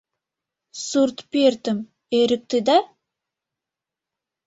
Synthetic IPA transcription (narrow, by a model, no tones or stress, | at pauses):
suɾt̪peɾt̪ɪm | eɾɪk̚t̪ɪd̪a